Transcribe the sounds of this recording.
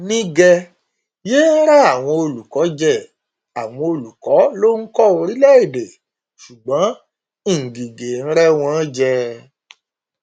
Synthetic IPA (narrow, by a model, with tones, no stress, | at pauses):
nĩ˦ɡɛ˧ | je˦n̩˦ɾa˦a˦˨w̃ɔ̃˧o˧lu˨kɔ˨˦d͡ʒɛ˦˨ | a˨w̃ɔ̃˧o˧lu˨kɔ˨˦lo˦kɔ˦˨o˧ɾi˦lɛ˦˨i˦˨de˨ | ʃu˨ɡ͡bɔ̃˨˦ | ĩ˦˨ŋ̩˨ɡi˨ɡe˨n̩˦ɾɛ˦w̃ɔ̃˦d͡ʒɛ˧